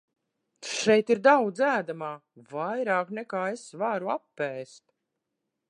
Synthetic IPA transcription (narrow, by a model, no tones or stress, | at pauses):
ʃɛjt̪iɾd̪awd̪zæːd̪amaːvajɾaːknɛkaːesvaːɾuapːɛːst̪